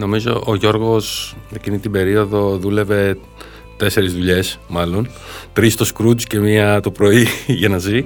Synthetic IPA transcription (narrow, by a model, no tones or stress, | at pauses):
no̞mizo̞̰ʔoʝo̞ɾɣo̞secinit̪ibe̞ɾio̞ðo̞ðule̞ve̞ | t̪e̞se̞ɾizðuʎe̞smɐlo̞n | t̪ɾist̪o̞skɾut͡sce̞miɐt̪o̞pɾo̞iʝɐnɐzi